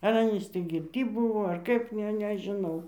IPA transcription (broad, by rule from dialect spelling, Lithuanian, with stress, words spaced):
ɐr ˈɑːnʲiːs tʲiː ɡʲɪrʲˈtʲiː ˈbuːʋoː ɐr ˈkɐɪp ˈnʲɛ nʲɛʒʲɪˈnɐʊ